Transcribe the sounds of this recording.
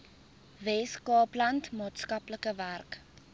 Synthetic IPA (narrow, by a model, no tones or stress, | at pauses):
vɛskɑːplɐntmɑːtskɐpləkəværk